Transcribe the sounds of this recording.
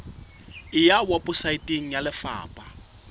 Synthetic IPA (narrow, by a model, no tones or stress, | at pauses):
ɪjawapʼʊsaitʼeŋ̩jalɪfa̰ːpʼa